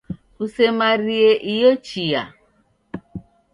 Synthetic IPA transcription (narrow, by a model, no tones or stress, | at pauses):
usemaɾieʔijot͡ʃija̰